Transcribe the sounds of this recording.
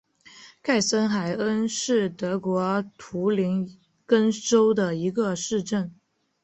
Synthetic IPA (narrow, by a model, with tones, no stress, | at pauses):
kʰa˥˩ɪsə˥nxa˨˩ɪə˥nʂɻ̩˥˩t̪ɤ˧˥kwɔ˧˥t̪ʰu˧˥li˧˥n | kə˥nʈ͡ʂo˥ʊd̪ə˨i˧˥ɡə˧ʂɻ̩˥˧ʈ͡ʂə˥˩n